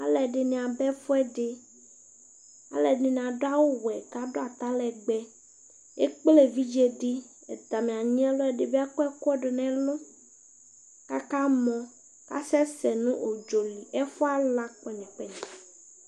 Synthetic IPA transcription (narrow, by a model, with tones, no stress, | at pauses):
a˦lɛ˨ɖe˨nĩ˨a˨bɛ˦fɔ˦ɛ˦ɖe˨ | a̰˨lɛ˨ɖẽ˨nĩ˨a˨ɖo˦a˦wo˦wɛ˨ka˦ɖo˦a˨t̪a˦lɛ˨ɡ͡bɛ˦ | e˦k͡ple˦vi˦d͡ʒe˦ɖi˦ | ɛ̰˨t̪a˨mĩ˨a˨ɲĩ˦ɛ˦lɔ˦ɛ˨ɖe˨bi˦a˦kɔ˦ɛ˦kɔ˦ɖe˨nɛ̃˦lo˦ | ka˦ka˦mɔ̃˨ | ka̰˦sɛ˦sɛ˨nũ˦ʔo˨d͡ʒo˨li˨ʔɛ˦fɔ˦a˦la˦k͡pɔ˨ɲĩ˨k͡pɛ˦ɲɛ̃˨